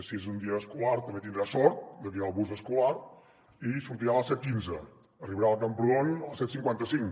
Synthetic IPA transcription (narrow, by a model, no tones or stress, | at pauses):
siezund̪iəːskulaɾt̪əmbet̪ind̪ɾasɔɾt̪̚d̪əkiɾalˠβuzəskulaɾ | isuɾt̪iɾaləsɛt̪̚kinzə | əriβəɾalˠt̪əmpɾuðonəlˠsɛt̪siŋkwant̪əsiŋ